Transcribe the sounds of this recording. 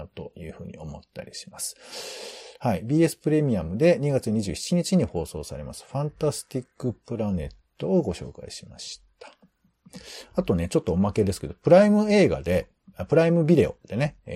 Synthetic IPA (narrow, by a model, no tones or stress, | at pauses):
t̪o̞̰jɯ̟ːɸɯ̟ːɲ̟ḭo̞mo̞t̪ːa̰ɾʲiɕi̥masɨ̥ | haibʲiːe̞sɨ̥pɯ̟ɾe̞mʲiamɯ̟d̪e̞ɲ̟iɡat͡sɨɲ̟iʑɨːçi̥t͡ɕiɲ̟it͡ɕiɲ̟iho̞ːso̞ːsa̰ɾe̞̰ma̰sɨ̥ɸãnt̪asɨ̥t̪ʲikːɯ̟pɯ̟ɾane̞̰t̪ːo̞ːɡo̞ɕo̞̰ːka̰ḭɕima̰ɕi̥t̪ʰḁ | at̪o̞ne̞t͡ɕo̞t̪ːo̞ːmake̞d̪e̞sɨ̥ke̞d̪̥o̞pɯ̟ɾaimɯ̟e̞ːɡa̰d̪e̞ | pɯ̟ɾaimɯ̟bʲid̪e̞o̞̰d̪̥e̞ne̞